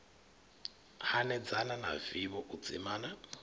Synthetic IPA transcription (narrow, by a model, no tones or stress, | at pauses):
hanɛd͡zanana̰viβɔʔut͡sʼḭmaːna